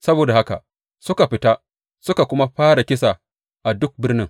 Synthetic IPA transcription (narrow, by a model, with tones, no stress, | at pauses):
sɐ˦boː˨da˨ha˦ka̰˨ | sʊ˦ka˨ɸɪ˦ta˦ | sʊ˦ka˨kʷʊ˦ma˦ɸaː˦ɽa˨kʲɪ˦sa˨ | ʔa˨dʊ˦k̚bɪ˦rnɪ˦ŋ